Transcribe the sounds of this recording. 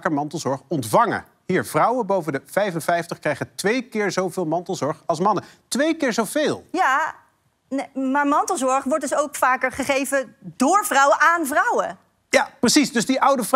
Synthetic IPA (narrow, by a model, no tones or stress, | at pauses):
kəɹmɑntəl̩ˠzɔɹχɔntvɑŋə̰ | ɦiːɹv̥rʌwənbowvəndəv̥ɛjvənvɛjftəχkrɛjχətʋejkɪːɹzowvɪːlˠmɑntəl̩ˠzɔɹχɑlˠsmɑnətʋejkɪːɹzowvɪːlˠja | maːɹmɑntəlˠzɔɹχʋɔɹt̚dʏsowkfaːkəɹχəχejvədʊːɹvrʌwəʔaːnvrʌwə | japrəsisdʏzdiʔʌwdəv